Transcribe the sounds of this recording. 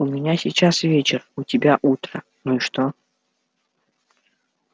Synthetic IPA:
ʊmʲɪnʲasʲɪt͡ɕasvʲet͡ɕɪrʊtʲɪbʲaʔut̪ɾə | nuiʂt̪o

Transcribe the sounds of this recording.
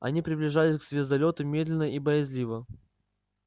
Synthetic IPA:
ɐ̰nʲipɾʲɪblʲɪʐalʲɪsʲkz̥ʲvʲɪzd̪ɐlʲo̞t̪ɨmʲe̞d̪lʲɪnːəʔibəjɪzʲlʲivə

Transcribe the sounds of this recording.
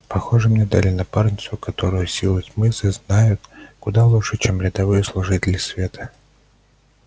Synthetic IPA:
pɐxo̞ʐɨmnʲed̪alʲɪnɐparnʲɪt̪svʊkɐt̪o̞ɾʊjʊsʲilˠɨsʲmɨsɨznajʊt̪kʊd̪alˠuʂɨt͡ɕemɾʲɪd̪ɐvɨjəslˠʊʐɨtʲɪlʲɪsvʲe̞t̪ə̥

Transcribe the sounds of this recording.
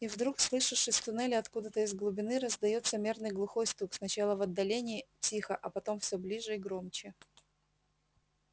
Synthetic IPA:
ivd̪ɾukslˠɨʂɨʂɨsʲt̪ʊnɛlʲɪɐt̪kud̪ət̪əɪzɡlˠʊbʲɪnɨɾəzd̪ɐjo̞t̪səmʲernɨjɡlˠʊxo̞jst̪uksnɐt͡ɕalˠəvɐd̪ːɐlʲenʲɪːtʲixəʔɐpɐt̪o̞mfsʲɵblʲiʐɨiɡɾomt͡ɕɪ

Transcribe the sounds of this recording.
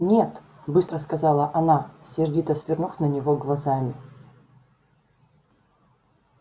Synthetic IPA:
nʲet̪ | bɨst̪ɾəskɐzalˠəʔɐnasʲɪrdʲit̪əsvʲɪrnufnənʲɪvoɡlˠɐzamʲɪ

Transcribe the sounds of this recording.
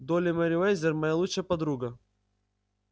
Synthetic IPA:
d̪olʲɪmɐɾʲɪvɛjzʲɪrmɐjalˠut͡ʂːəjəpɐd̪ɾuɡə

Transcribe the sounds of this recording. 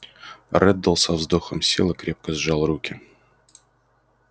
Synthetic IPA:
rʔɛd̪əlˠsɐvzd̪oxəmsʲḭlˠəkɾʲʔe̞p̚kəzʐɑlˠrukʲɪ

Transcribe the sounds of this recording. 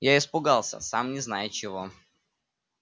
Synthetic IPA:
jaɪspʊɡalˠsʲə̰samnʲɪznajɪt̪̚t͡ɕɪvo

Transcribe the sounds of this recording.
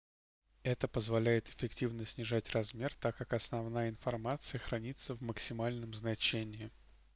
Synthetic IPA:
ɛt̪əpəzvɐlʲæjɪt̪ɪ̥fʲɪktʲivnəsʲnʲɪʐatʲrɐzmʲe̞rt̪akːakɐsnɐvnajəɪnfɐrmat̪sɨjəxɾɐnʲit̪səvməksʲɪmalʲnəmznɐt͡ɕenʲɪɪ

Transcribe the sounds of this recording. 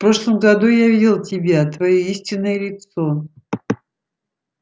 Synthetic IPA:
fpɾo̞ʂlˠəmɡɐd̪ujavʲilˠtʲɪbʲat̪vɐjoisʲtʲɪnːəjəlʲɪt̪so

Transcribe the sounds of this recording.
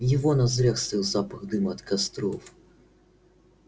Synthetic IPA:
jivɔnɐzɾʲɛxsiwzapɐɣd̪ɨmɐːt̪kast̪ɾɔf

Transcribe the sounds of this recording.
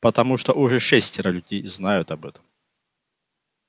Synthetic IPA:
pɐt̪ɐmuʂt̪ɔʔuʐɛʂɛsʲtʲɾɐlʲʉdʲejznajʊt̪ɐbɛt̪ə̥m

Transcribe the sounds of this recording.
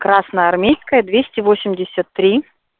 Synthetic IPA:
kɾasnəjəɐrmʲejskəjəd̪vʲesʲtʲɪvosʲɪmʲdʲɪsʲət̪ːɾʲi

